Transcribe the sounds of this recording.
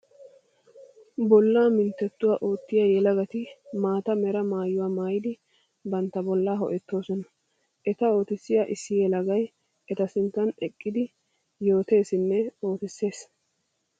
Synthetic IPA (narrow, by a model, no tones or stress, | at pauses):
bɔlːaːmɪnt̪ːɛt̪ːʊwaːʔo̞ːt̪ːɪjajɛlɐɡɐt̪ɪmaːt̪ɐmɛɾɐmaːjːʊwaːmaːjɪd̪ɪ | bɐnt̪ːɐbɔlːaːɦɔ̰ʔɛt̪ːo̞ːsɔnɐ | ʔɛt̪ɐo̞ːt̪ɪsːɪjaʔɪsːɪjɛlɐɡɐj | ɛt̪ɐsɪnt̪ːɐnɛkʼːɪd̪ɪ | jo̞ːt̪e̞ːsɪnːɛo̞ːt̪ɪsːe̞ːs